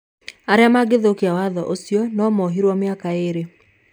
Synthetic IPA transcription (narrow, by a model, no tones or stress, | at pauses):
aɾeamaɡeðokiawaðɔ̰ʔosjɔnɔmɔɦiɾwɔmeakaeɾe